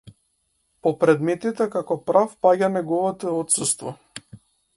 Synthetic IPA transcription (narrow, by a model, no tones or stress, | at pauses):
pɔpɾɛd̪mɛt̪it̪ɛkakɔpɾafpaɟanɛɡɔvɔt̪ɔɔt̪sust̪vɔ